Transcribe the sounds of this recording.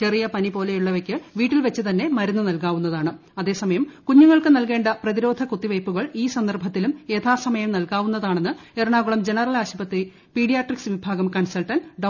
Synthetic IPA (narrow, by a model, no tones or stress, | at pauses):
t͡ɕe̞rijɐpɐnipo̞ːle̞juɭːɐʋekʲːɨʋiːʈːilʋɐt͡ɕːɨt̪ɐnːe̞mɐɾunːɨnɐlkaːʋun̪ːɐðaːɳɨ | ɐðe̞ːsɐmɐjɐmkuɲːuŋːɐɭkɨnɐlke̞ːɳɖɐprɐðiɾo̞ːd̪ʱɐkut̪ːiʋɐjpːuɣɐɭiːsɐnd̪ɐrbʱɐt̪ːilumet̪ʰaːsɐmɐjɐmnɐlkaːʋunːɐðaːɳe̞nːɨerɳaːɣuɭɐmd͡ʑe̞nɐrɐlaːɕipɐt̪ːi | piːɽijaːʈriksʋibʱaːɡɐmkɐɳsɐlʈɐnɖɐ